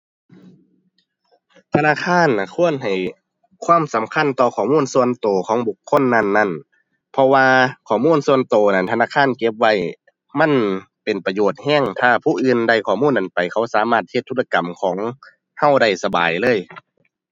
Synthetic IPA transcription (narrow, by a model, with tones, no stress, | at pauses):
t̪ʰa˧naː˧˥˨kʰaː˧˥˨na˨˩kʰu˧˥˨ənɦa˨˩j | kʰwaː˧˥˨msa˨˦mkʰa˧˥˨nt̪ɔː˧kʰɔː˨˩muː˧˥˨nsu˧˨ənt̪oː˨˩kʰɔː˨˦ŋbu˨˧˩kʰːo˧˥˨nːa˧˥˨nːa˧˥˨n | pʰɔ˧waː˧kʰɔː˨˩muː˧˥˨nsu˧˨ənt̪oː˨˩na˧˩nt̪ʰa˧naː˧˥˨kʰaː˧˥˨nke˧˦p̚wa˧˥˨j | ma˧˥˨n | pe˨˩npa˧joː˧˩t̪̚hɛː˧˥˨ŋt̪ʰaː˧˩pʰuː˧˨ʔɯː˧˨nda˧˩jkʰɔː˨˩muː˧˥˨nʔa˨npa˨jkʰa˧˩wsaː˨˦maː˧˩t̪̚he˧t̪ʰːuː˧˥˩la˧ka˨mkʰɔː˨˦ŋ | ha˧˥˨wda˧˩jsa˧ba̰ː˨˩jlɤː˧˥˨j